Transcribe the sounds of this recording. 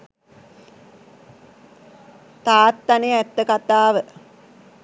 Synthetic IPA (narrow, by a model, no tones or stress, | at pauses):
t̪aːt̪ːanəjɛt̪ːəkat̪aːʋə